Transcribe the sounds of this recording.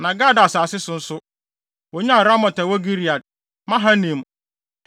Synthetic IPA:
nã˨ɡa˦da˨saː˨sɪ˦sʊ̃˨n̩˦sʊ˦ | wɔ˨ɲã˦a˨ɾa˦mɔ̃˨ta˨wo˦ɡi˦ɾi˨a˨d̚ | mã˦ɦã˦nĩ˨m˨

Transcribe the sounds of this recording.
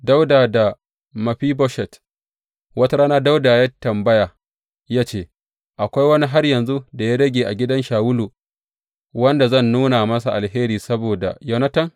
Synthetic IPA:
da˦wdaː˨da˨ | mɐ˨ɸiː˦bɔ˦ʃɛ˨t | wɐ˦ta˦ɾaː˦naː˦da˦wdaː˨jɐ˦tːɐ˨mbɐ˦jaː˨ | jaː˦t͡ʃeː˦˨ | ʔa˨kʷa˦jwɐ˦ni˦ɦa˦rjɐ˨nzu˦da˨ja˦ɽɐ˦ɡʲeː˨ʔa˨ɡʲɪ˦dɐ˦nʃaː˨wʊ˦lu˨ | wɐ˦nda˨zɐ˦˨nːuː˦na˨mɐ˦s̬a˨ʔa˨lheː˦ɾiː˨sɐ˦boː˨da̰˨jɐ˦wnɐ˦tɐ˦ŋ

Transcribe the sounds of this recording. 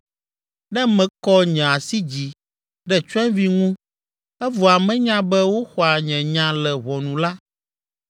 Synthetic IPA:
nɛ̃˦mɛ̃˨kɔ˦ɲɛ̃˨a˨si˦d͡ʑi˨ | ɖɛ˦t͡ʃɛ̃˦vi˦ŋũ˦ | ɛ˦vɔ˨a˨mɛ̃˦ɲã˦bɛ˦wo˦xɔ˨a˨ɲɛ̃˨ɲã˨lɛ˨βɔ˨nũ˨la˦

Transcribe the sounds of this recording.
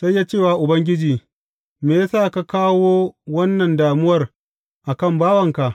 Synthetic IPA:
sa˦jːaː˦t͡ʃeː˦˨waː˨ʔʊ˨bɐ˦ŋɡʲɪ˦d͡ʒiː˨ | meː˨ja˦saː˦˨ka˦kaː˦woː˦wɐ˦nːɐ˨ndaː˨mʊ˦wɐ˨r | ʔa˨kɐ˦˨mbaː˦wɐ˨ŋka˨ʔ

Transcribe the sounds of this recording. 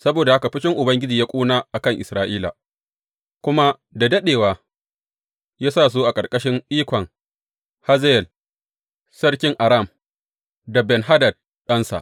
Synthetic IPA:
sɐ˦boː˨da˨ha˦ka˨ɸɪ˦ʃɪ˦ŋʔʊ˨bɐ˦ŋɡʲɪ˦d͡ʒiː˨ja˦kʷʼuː˦naː˦ʔa˨kɐ˦ŋʔɪ̰˨sɾaː˦ʔiː˦la̰˨ | kʷʊ˦ma˦ | da˨dɐ˦ɗeː˨waː˨ | jaː˦saː˦˨s̬oː˦ʔa˨kʼɐ˨rkʼɐ˦ʃɪ˦ŋʔiː˦kʷɔ˨ŋ | ha˦zjɛ˨l | sɐ˦rkʲɪ˦ŋʔa˨ɾa˦˨m | da˨bɛ˨nɦa˦dɐ˨d̚ | ɗɐ˦nsa̰˨ʔ

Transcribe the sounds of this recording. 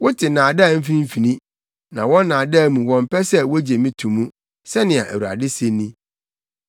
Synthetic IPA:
wʊ˦tʰɪ˨nãː˨da˦˨m̩˦fi˦ĩ˦m̩˦fi˨nĩ˦ | nã̰˨wɔ̃˦nãː˨da˦˨mũ˨wɔ̃˨m˨pɛ˦sɛ˦wɔ˦d͡ʑe˨mĩ˦tʰũ˨mːũ˦ | sɛ˦nɪ̃˨a˨ʔæ̰˨wu˨a̰˨dɪ˦se˦nːĩ˦

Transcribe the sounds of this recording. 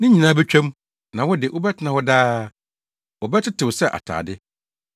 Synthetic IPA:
nɪ̃˦ɲĩ˨nãː˦bɛ˦t͡ɕᶣʰɛ̃˦m | nã˨wʊ˦dɪ˨wʔʊ˦bɛ˦tʰɪ˨nã˨wɔ˦daː˦ | wɔ˨bɛ˦tʰɪ˦tʰɪ˨wʊ˨sɛ˦˨ʔa̰˨tʰa̰ː˨dɪ˦

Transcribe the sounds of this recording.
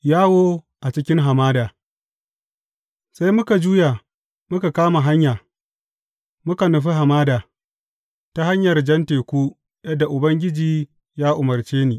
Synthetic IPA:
jaː˦woː˦ | ʔa˨t͡ʃɪ˦kʲɪ˦ŋɦa˨maː˦daː˨ | sa˦jmʊ˦ka˨d͡ʒuː˦ja˨ | mʊ˦ka˨kaː˦ma˨ɦa˦ɲjaː˨ | mʊ˦ka˨nʊ˨ɸ̬i˦ɦa˨maː˦daː˨ | ta˦ha˦ɲjɐ˨rd͡ʒɐ˦nteː˨kʷuː˦ | jɐ˦dːa˨ʔʊ˨bɐ˦ŋɡʲɪ˦d͡ʒiː˨ | jaː˦ʔʊ˨mɐ˨rt͡ʃeː˦niː˨

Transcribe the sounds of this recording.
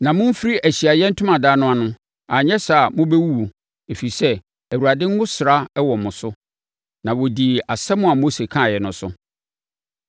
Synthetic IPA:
nã˨mʊ̃˦m̩˦fi˦ɾi˦ʔæ˨ɕi˨a˨jɛ˦n̩˦tʰʊ̃˦mã˨daː˦nʊ̃˦a˨nʊ̃˦ | a˨ɲɛ̃˦sa˨mʊ̃˦bɛ˦wu˦wu˨ | e˨fi˨sɛ˦ | æ˨wu˨ɾa˨dɪ̃˦ŋ̩˦wʊ̃˦sɪ˨ɾa˦wɔ˨mʊ̃˨sʊ˦ | nã˨wɔ˨di˨a˨sɛ˦mʊ̃˦a˨mo˦se˨kʰã˦˨jɛ˨nʊ̃˨sʊ˦

